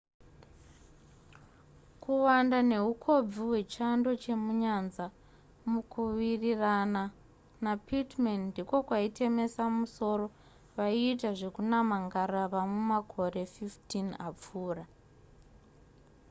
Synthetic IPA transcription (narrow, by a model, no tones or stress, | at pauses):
kʰuwandane̞ɦukʰo̞b͡viwe̞t͡ʃando̞t͡ʃe̞muɲanza | mukuwirirana | napʰitmanndiko̞kwaitʰe̞me̞samuso̞ɾo̞ | ʋaiːtaʐe̞kunamaŋɡaraʋamwumakʰo̞ɾe̞fiftinap͡fuːra